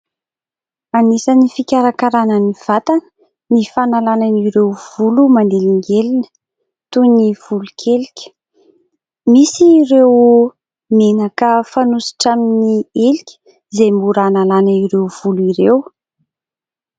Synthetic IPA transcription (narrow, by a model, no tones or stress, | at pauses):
anisanifikʲaɾakaɾanəniv̥at̪anə̥ | nifanalananiɾewv̥ulumand̪eliŋɡelinə̥ | t̪univ̥ulukʲʰelikʲə̥ | misiːɾew | menakəfanusi̥ʈ͡ʂaminielikʲə̥ | zejmbuɾanalanəiɾewv̥uluiɾew